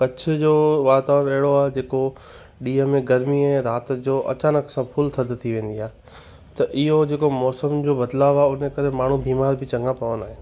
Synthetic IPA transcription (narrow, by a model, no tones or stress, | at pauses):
kɐt͡ɕ̆ʰd͡ʑoːʋaːt̪ãʋɐɦɪɽoaːɦed͡ʑeːko | ɗiːɦəmẽɡɐɾmiɛ̃ːɾaːt̪d͡ʑoːʔɐ̰t͡ɕaːnəksãpʰʊlt̪ʰɐd̪t̪ʰiʋẽːn̆d̪iaːɦe | t̪ɐʔɪɦod͡ʑeːkomɔːsəmd͡ʑoːbɐd̪laːʋaːʊnekɐɾemaːɳ̤ũbʱiːmaːɾbʱɪt͡ɕɐ̃ŋɡãpɐʋənaːɦenɪ